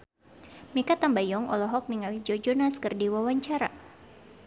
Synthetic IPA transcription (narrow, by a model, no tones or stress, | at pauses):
mikat̪ambajɔŋɔ̰lɔɦɔk̚niŋalid͡ʒɔd͡ʒɔnaskɨrdiwawaɲt͡ʃaɾa̰